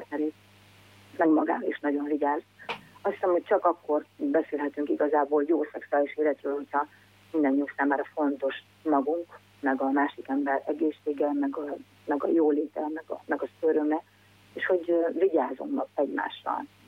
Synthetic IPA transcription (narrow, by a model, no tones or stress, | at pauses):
rt̪nɛɾeːt̪ | mɛɡmɒɡa̰ːɾɒliʃnɒɟo̞ɱviɟaːzɒst̪ʰːi̥sɛmhoc̚t͡ʃɒkɒkːo̞rbɛseːlɦɛt̪yŋkiɡɒzaːboːljoːsɛksuaːliʃeːlɛt̪ɾøːlho̞cʰhɒ | mind̪ɛnːuːksaːmaːɾɒfo̞nt̪o̞ʃ | mɒɡuŋk | mɛɡɒmaːʃikɛmbɛɾɛɡeːʃːeːɡɛmɛɡɒ | mɛɡɒ̰joːleːt̪ɛlnɛɡ̰mɛɡɒsøɾømɛ | eːʃho̞ɟviɟaːzo̞̰mnɒkɛɟma̰ːʃrɒ̰l